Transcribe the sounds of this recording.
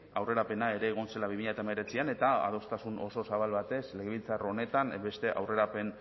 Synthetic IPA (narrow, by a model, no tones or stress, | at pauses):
awre̞ɾape̞nae̞ɾe̞ːɣ̞o̞nse̞laβimiʎat̪aemeɾe̞t͡siane̞t̪aa̰ð̞o̞st̪asunʔo̞̰so̞saβalβat̪e̞sleɣeβilt͡saro̞ne̞t̪ambe̞st̪e̞ʔawre̞ɾape̞n